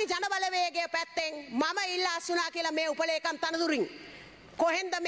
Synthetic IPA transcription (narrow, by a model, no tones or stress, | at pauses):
id͡ʒanəʋaləʋeːəɡeəpæt̪ːeŋmaməilːaːsunaːkiəlameːupəleːkant̪anəd̪uɾiŋ | koɦend̪əm